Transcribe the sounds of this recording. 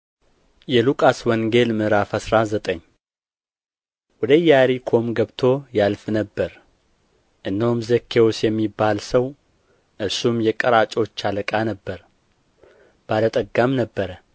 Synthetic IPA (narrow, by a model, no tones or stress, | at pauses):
jɛlukʼaswɔŋɡe̞lmɨɾafasɾazət̪ʼəɲː | wɔd̪əjaɾikʰo̞mɡəβt̪ʰo̞jalfnəbːəɾ | ʔɨnːəhumzəkʰːe̞wosjɛmːibːalsəw | ʔɨɾsumjɛkʼəɾat͡ʃʼo̞t͡ʃːaləkʼanəbːəɾ | b̥alət̪ʼəɡamnəbːəɾə